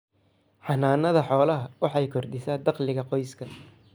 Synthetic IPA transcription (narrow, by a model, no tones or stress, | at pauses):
ħɑnaːnːɐðɐħɔːlɐɦɐwɑħɑjkʰɔrd̪ɪsaːd̪ɑqlɪɣɐqɔjskʰɐ